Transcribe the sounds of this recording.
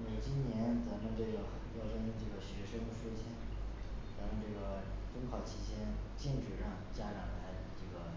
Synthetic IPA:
me˨˩ɪt͡ɕi˥nnjɛ˧˥nt͡sɤ˧˥d̪ə˧ʈ͡ʂɤ˥˩ə˨˩pɑ˥˩ʊʂɤ˥i˥nʈ͡ʂɤ˥˩ɡə˩ɕɥɛ˧˥ʂɤ˥ŋ˥˩ʂɔ˥t͡ɕʰjɛ˥nt͡sɤ˧˥nə˧ʈ͡ʂɤ˥˩ɡə˩ | t͡sʊ˥ŋkʰɑ˨˧˩ʊt͡ɕʰi˧˩t͡ɕjɛ˥nt͡ɕi˥˧nʈ͡ʂɻ̩˨˩ɻɑ˥˩ŋt͡ɕja˥ʈ͡ʂɑ˨˧˩ŋla˧˥ɪ˨˩ʈ͡ʂɤ˥˩ɡə˩

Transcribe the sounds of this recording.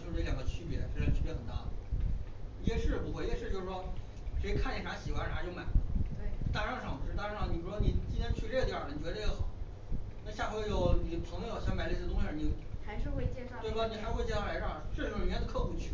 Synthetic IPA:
t͡ɕjʂ̩ɻ̩˥˧˥ljɑ˨˩ɡə˦t͡ɕʰy˥pjɛ̰˧˥˧t͡ɕʰy˥˧pjɛ˧˥xə˨˩nt̪a̰˥˩ə | jɛ˥˩ʂɻ̩˥˩pu˧˩xwɛ˧˥jɛ˥˧ʂɻ̩˥˧jo˥˧ʊʂɻ̩˧˩ʂwɔ˥ | ʂe˧˥ɪkʰa˥˩nɛ˨˩ʂa˧˥ɕi˨˩xwa˧˥na˧˥t͡ɕjo˥˩ʊma˨˩ɪwe˥˩t̪a˥ʂɑ˥˧ŋʂɑ˨˩ŋ˧˩ɻ̩˥˩t̪a˥˧ɑ˥˩ʂɑ˥˩ŋ˨ni˨˩u˧˥ɔ˥ni˨˩t͡ɕi˥nt̪ʰjɛ˥nt͡ɕʰy˥˧lɛ˥˩əjɑ˥˩ə˩n˨t͡ɕɥɛ˧˥d̪ə˧jɛ˧˥xɑ˨˩˦ʊ | na˥˧ɕja˥˩xwjo˨˩ʊni˨˩pʰɤ˧˥ŋmjjo˨˩ɕjɑ˥˧ŋma˨˩ɪlsi˧˩˧ʊ˥ŋɕi˧˩ə˥˩ni˨˩xa˧˥ɪʂɻ̩˥˧xwe˥˧t͡ɕɛ˥˧˥twe˥˩ɪ˥˩ɔ˧˩ni˨˩xa˧˥wɪt͡ɕɛ˥˩ʂʰla˧˥ɑ˥˩ʂɻ̩˥˩ʂ̩˥˧jɛ˥d̪ə˧˥kʰɤ˥˧xu˧˩t͡ɕʰy˥˩

